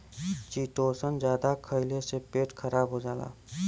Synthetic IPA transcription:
t͡ʃiːʈoːsənd͡ʒjaːd̪akʰəɪlesepeːʈkʰəɾaːbɦod͡ʒaːla̰ː

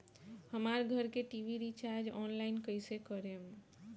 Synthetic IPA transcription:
həmaɾɡʱəɾkeʈiʋiɾit͡ʃaɾd͡ʒɔnlaɪnkəɪsekəɾem

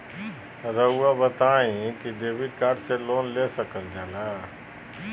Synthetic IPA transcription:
ɾəuabət̪aːĩkiɖeːʋɪɖkaːɾɖseloːnlesəkəld̪aːlaː

